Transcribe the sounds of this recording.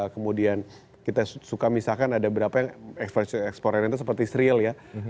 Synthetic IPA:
kəmudian | kit̪asukamisalkanadabəɾapajaŋɛkspɛsɛkspoɾɛnɛnt̪us̬əpərt̪isɾiəlja

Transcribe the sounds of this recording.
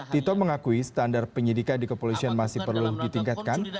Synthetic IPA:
t̪it̪ɔməŋakuisə̥t̪andar̚pəɲidikandikəpolisianmasɪhpərluhdit̪iŋkat̪̚kan

